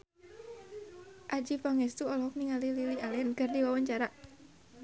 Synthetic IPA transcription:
ʔad͡ʒifaŋɛst̪uɔlɔɦɔk̚niŋalililialɛnkardiwawaɲt͡ʃaɾa

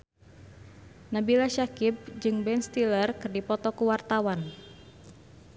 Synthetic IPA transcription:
nabilaʃakib̚d͡ʒɨŋbɛnst̪ilərkɨrdipɔt̪ɔkuwart̪awan

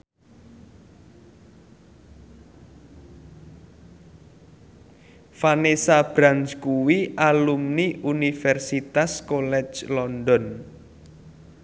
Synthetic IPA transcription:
fanesab̥ɾanskuwiʔalumniʔunifɛrsit̪askolɛ̥d͡ʒlɔndɔn

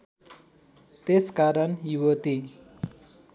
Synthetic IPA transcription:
t̪eskaɾʌnjuwʌt̪i

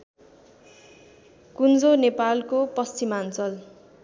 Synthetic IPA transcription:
kund͡zonepalkopʌst͡simant͡sʌl

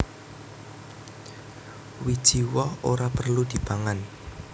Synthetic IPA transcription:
wid̥ʒ̥iwɔhoɾapərlud̪̥i̤b̥aŋan

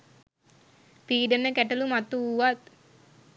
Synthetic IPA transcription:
p̪iːɖənːəkɛʈɐlumat̪ːuːʋat̪̚

